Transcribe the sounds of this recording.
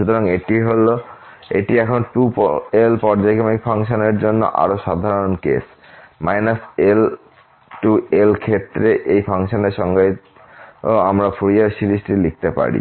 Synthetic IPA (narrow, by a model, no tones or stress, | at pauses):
ʃut̪ɔɾaŋeʈiɦolo | ḛʈiɛkʰɔnʈupelpɔɾd͡ʑajkɔmik̚pʰaŋʃɔneɾd͡ʑonːo̰ʔa̰ɾoʃad̪ʱaɾonkḛs | majnasel | ʈuelkʰet̪ːɾeʔejpʰaŋʃɔneɾʃɔŋɡe | amɾafʰuɾiaɾsilisʈilik̚ʰt̪epa̰ɾḭ